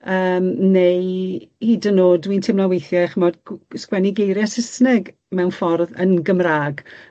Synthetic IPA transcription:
əːmnejhiːdənoːdwiːntʰɪmlawejθjaχəmɔdskwɛniɡejɾjɛsɪsnɛɡ | mɛwnfɔrðə̰nɡəmraːɡ

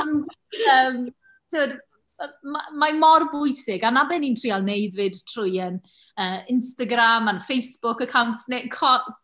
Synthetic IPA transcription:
ɔnd | əːm | tʰɪwəd | mamamɔrbʊjsɪɡanabɛnintʰr̥ialˠnejdvɨd̥tʰrʊjən | əːɪnstaɡɾamanfejsb̥ʊkəkʰawntnekʰɔ

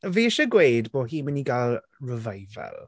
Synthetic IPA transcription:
viːʃəɡwejdboːɦiːməniɡalˠ | rəvajvɛ̰lˠ

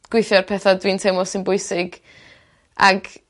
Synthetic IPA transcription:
ɡ̥wɪjθjɔrpʰɛθadwintʰewmɔsɪnbʊɨsɪɡ | ʔa̰ɡ

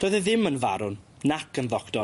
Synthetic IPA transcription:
d̥oːjðəðɪmənva̰ɾʊn | nakənðɔkd̥ɔ

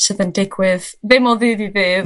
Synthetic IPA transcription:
səðəndɪɡwɨððɪmɔlˠðɨːðiðɨːð

